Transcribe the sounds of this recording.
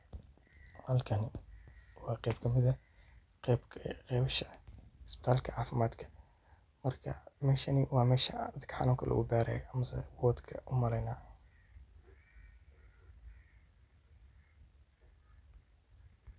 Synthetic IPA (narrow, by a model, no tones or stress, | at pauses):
hɐlkʰɐnɪ | wɑːqɛjbkʰɐmɪðɐ | ɛbɛʃɐsbɪ̥t̪ʰaːlkʰɐʕaːfɪmaːd̪kʰɐ̥ | mɐrkʰɐ̰mɛːʃɐnɪwɑːmɛːʃɐ̰d̪ɐd̪kʰɐ̥ħɑ̰nuːŋkʰɐlʔɐ̰ʔṵbaːɾɛ̰ːjʔɐmɐsɛ̰wɔːd̪kʰɐʔʊmɐlɛjnaː